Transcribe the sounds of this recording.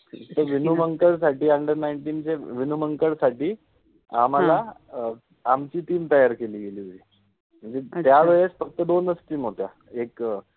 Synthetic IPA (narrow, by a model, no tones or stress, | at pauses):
t̪əɾʋinuməŋkəɭsaʈiːəɳɖəɾnajɳʈiːnt͡ɕeʋinuməŋkəɭsaʈiː | am̤ala | amt͡ɕiːʈ̪iːmt̪əjaɾkeliːɡeliːoiː | m̤əɳd͡zet̪jaʋəɭesfək̚t̪ːəd̪onəst̪iːm̤oʈja | ek